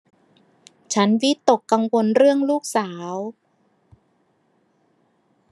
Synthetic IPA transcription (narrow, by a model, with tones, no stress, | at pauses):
t͡ɕʰa˦˥nwi˦˥t̪ːo˨˩kːa˧ŋwo˧nɾɯ˥˩əŋluː˥˩k̚saː˩˦w